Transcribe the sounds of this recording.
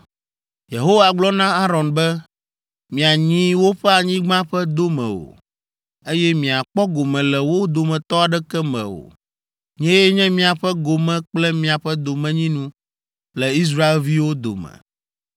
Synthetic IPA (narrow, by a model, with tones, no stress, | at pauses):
je˨ɦo˦va˨ɡ͡blɔ˦nã˦a˦ɾɔ˨nbɛ˦ | mĩ˨a˨ɲĩ˦wo˦ɸɛ˦a˨ɲĩ˦ɡ͡bã˦ɸɛ˦d̪o˦mɛ̰̃˨o̰˨ | e˦jɛ˦mĩ˨a˨k͡pɔ˦ɡo˨mɛ̃˨lɛ˨wo˦d̪o˨mɛ̃˨t̪ɔ˦a˨ɖɛ˦kɛ˦mɛ̰̃˨o̰˨ | ɲɛ̃˦jɛ˦ɲɛ̃˦mĩ˦a˨ɸɛ˦ɡo˨mɛ̃˦k͡plɛ˦mĩ˦a˨ɸɛ˦d̪o˨mɛ̃˦ɲĩ˦nũ˦ | lɛ˨i˦s̬ɾa˦e˦lvi˦wo˦d̪o̰˨mɛ̰̃˨